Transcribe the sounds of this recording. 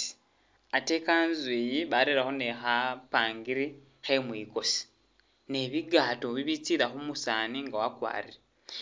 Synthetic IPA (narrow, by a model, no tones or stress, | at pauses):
ate̞ːkanzwejiβaɾiɾaxo̞nexapaːŋɡiɾi | xe̞mwiːko̞si̥ | ne̞βiɡaːtoβiβit͡siːɾaxumusaːniŋɡawakwa̰ːɾiɾe